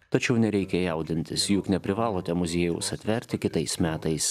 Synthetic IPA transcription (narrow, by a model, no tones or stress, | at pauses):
t̪ɐt͡ʃʲɛʊnʲɛɾʲɛɪkʲɛjɛˑʊd̪ʲɪnʲt̪ʲɪsjʊknʲɛpʲɾʲɪʋɑːlˠoːt̪ʲɛmʊzʲiɛjɛʊsɐt̪ʲʋʲɛɾʲt̪ʲɪkʲɪt̪ɐɪsmʲæːt̪ɐɪss